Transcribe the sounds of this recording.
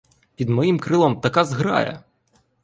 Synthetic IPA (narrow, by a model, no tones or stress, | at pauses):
pʲid̪mɔjimkɾɪlˠɔmt̪ɐkazɦɾɑ̰jɛ̰